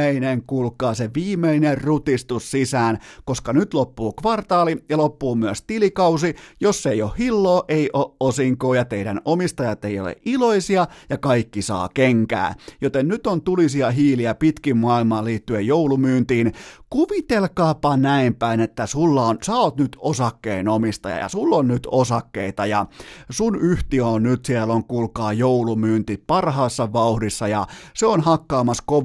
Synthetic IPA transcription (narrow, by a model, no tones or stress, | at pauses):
eineŋkulkːˑɑːseʋiːmːˑeinerrut̪ist̪ussisæːnkoskɑnyt̪lopːuːkʋɑrt̪ɑːlijɑlopːuːmyæst̪ilikɑusijosːeijohhilːoːʔeiʔoʔosiŋkoːjɑt̪eidæ̰nomist̪ɑjɑt̪ːeio̰lḛʔiloisiɑjɑkɑikːisɑ̰ːkeŋkæ̰ːjot̪ennyt̪ont̪ulisiɑɦiːliæpit̪kimmuɑˑilmɑːliːt̪ːyejjoulumyːnt̪iːnkuʋit̪elkɑːpɑnæimpæinet̪ːæsulːɑonsæoːt̪nyt̪osɑkːeinomist̪ɑ̰jɑ̰jɑ̰sulːonnyt̪osɑkːḛit̪ɑjɑsunyht̪iæonnyt̪sielːoŋkulkɑːjoulumyːnt̪ipɑrhɑːsːɑʋɑuhdisːɑjɑseonhɑkːɑːmɑskoʋ